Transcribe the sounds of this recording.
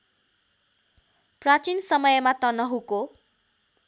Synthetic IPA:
prat͡sinsʌmʌjʌmat̪ʌnʌɦuko

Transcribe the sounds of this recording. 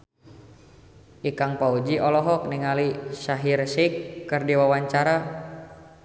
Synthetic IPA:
ʔikaŋpaud͡ʒiʔɔlɔɦɔk̚niŋalisaɦirsikːɨrdiwawaɲt͡ʃaɾa

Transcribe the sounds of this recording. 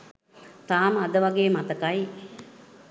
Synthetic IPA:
t̪aːməad̪əʋaɡeːmat̪əkaj

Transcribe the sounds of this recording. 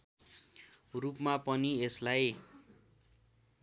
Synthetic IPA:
rupmapʌnieslaj

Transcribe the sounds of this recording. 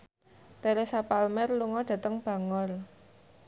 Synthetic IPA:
t̪eɾesapalmɛrluŋɔɖ̥ä̤t̪əŋb̥ä̤ŋɔl

